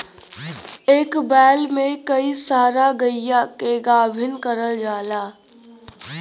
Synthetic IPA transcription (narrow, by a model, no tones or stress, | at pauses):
eːkbɛːlmẽkəisaːɾaɡəɪjakeɡaːbʱɪnkəɾəld͡ʒaːlaː